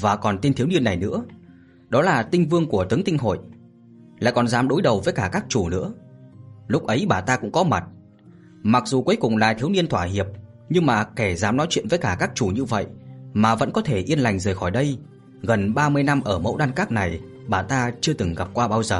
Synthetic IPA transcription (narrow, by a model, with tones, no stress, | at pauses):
vaː˨˩kɔ˨˩nt̪i˧nt̪ʰi˨˦əwni˧ənːa˨˩jnɨ̰˧˥ə | ɗɔ˨˦laː˨˩t̪ï˧ŋ̟vɨ˧əŋku˧˩ət̪ɨ˨˦ŋt̪ï˧ŋ̟ɦo̰˧˨j | la̰ː˧˨jkɔ˨˩nzaː˨˦mɗo˨˦jɗə˨˩wvəː˨˦jkaː˧˩kaː˦˥k̚t͡ɕu˧˩nɨ̰˧˥ə | lʊ˦˥k͡p̚ʔə˨˦jɓaː˨˩t̪aː˧kʊ̰˧˥ŋ͡mkɔ˨˦ma˨˩t̚ | ma˨˩k̚zu˨˩ku˨˦jkʊ˨˩ŋ͡mla̰ː˨˩t̪ʰi˨˦əwni˧ənt̪ʰwaː˧˩ɦi˨˩əp̚ | ɲɨ˧ŋmaː˨˩ke˧˩zaː˨˦mnɔ˨˦jt͡ɕwḭ˧˨ənvəː˨˦jkaː˧˩kaː˦˥k̚t͡ɕu˧˩ɲɨ˧və̰˧˨jʔmaː˨˩və̰˧˥nkɔ˨˦t̪ʰe˧˩ʔi˧ənla˨˩jŋ̟zəː˨˩jxɔ˧˩jɗə˧j | ɣə˨˩nɓaː˧mɨ˧əjna˧mʔəː˧˩mə̰˧˥wɗaː˧nkaː˦˥k̚na˨˩j | ɓaː˨˩t̪aː˧t͡ɕɨ˧ət̪ɨ˨˩ŋɣa˨˩p̚kwaː˧ɓaː˧wzəː˨˩